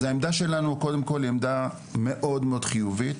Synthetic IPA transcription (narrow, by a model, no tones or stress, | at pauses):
aemd̪aʃe̞lanuko̞d̪emko̞lemd̪a | me̞ʔo̞d̪meo̞d̪̥χijuvit̪